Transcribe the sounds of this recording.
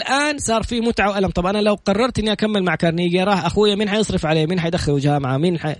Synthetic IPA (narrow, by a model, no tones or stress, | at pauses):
lʔaːnsˤɑːɾˤfiːmʊt̪ʕawʔalamt̪ˤɑbʔanalawqɑrˤːɑɾˤt̪ʔɪnːiʔakamːɪlmaʕkɑɾˤniːɡjaɾˤɑːħʔaxujːamiːnħajɨsˤɾɪfʕaleːmiːnħajd̪axːɪlwd͡ʒaːmaʕamiːnħa